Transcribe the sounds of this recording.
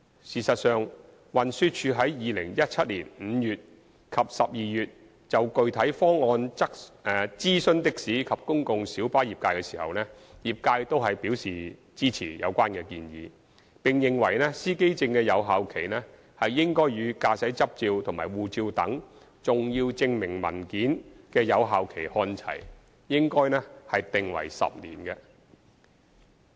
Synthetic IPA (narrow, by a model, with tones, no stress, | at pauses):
siː˨˩sɐ˨t̚sœː˨ŋ | wɐ˨˩nsyː˧t̚t͡ʃʰyː˨˧ɦɐ˨˥jjiː˨˧lɪ̰˨˩ŋjɐ˥t̚t͡sʰɐ˥t̚liː˨˩nm̩ː˨˦jyː˨t̚ | kʰɐ˨p̚sɐ˨p̚jiː˨jyː˨t̚ | t͡sɐ˨wkɵ˧ɥt̪ʰɐ˨˥jfɔː˥ŋːɔː˧nt͡sɐ˥k̚ɛ˨t͡siː˥sɵ˥nt̪ɪ˥k̚siː˨˥kʰɐ˨p̚kʊ˥ŋkʊ˨ŋsiː˨˥wpaː˥jiː˨p̚kaː˧jkɛ˧siː˨˩hɐ̰˨˩wnɛː˥ | jiː˨˩p̚kaː˧jt̪o˥wɦɐ˨jpiː˨˥wsiː˨ | t͡siː˥t͡sʰiː˨˩jɐ̰˨˧wkʷaː˥nkɛː˧kiː˧njḭː˨˧ | pɪ˨ŋjɪ˨ŋwɐ˨˩jnɛː˥siː˥ke˥jt͡sɪ˧ŋkɛː˧jɐ˨˧wɦaː˨˧wkʰe˨˩jnɛː˥ | hɐ˨jːɪ˥ŋkɔː˥jɥyː˨˧kaː˧sɐ˨˥jt͡sɐ˥p̚t͡siː˧wt̪ʰʊ˨˩ŋmaː˨jwuː˨t͡siː˧wt̪ɐ˨˥ŋ | t͡sʊ˨ŋjiː˧wt͡sɪ˧ŋmɪ˨˩ŋmɐ̰˨˩nkiː˨˥nkɛː˧jɐ˨˧wɦaː˨˧wkʰe˨˩jhɔː˧nt͡sʰɐ̰˨˩j | jɪ˥ŋkɔː˥jnɛː˥hɐ˨jt̪ɪ˨ŋwɐ̰˨˩jsɐ̰˨p̚nḭː˨˩nkɛː˧